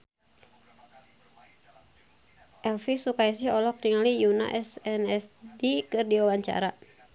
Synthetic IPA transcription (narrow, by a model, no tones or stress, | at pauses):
ʔɛlfisukaisihɔlɔk̚diŋalijuna̰ʔɛsɛnɛsdikɨrdiwawaɲt͡ʃa̰ɾa